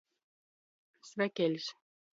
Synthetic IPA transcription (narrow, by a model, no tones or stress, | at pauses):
svʲækʲelʲsʲ